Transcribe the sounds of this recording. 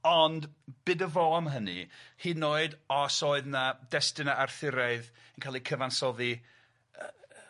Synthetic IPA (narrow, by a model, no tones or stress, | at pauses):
ɔndb̥ɨdəvoamɦənɨ̰hiːnoːɨdɔsoːɨðnadɛstɨnaʔarθɪɾaɨð | ənkʰaːlˠikʰəvansɔði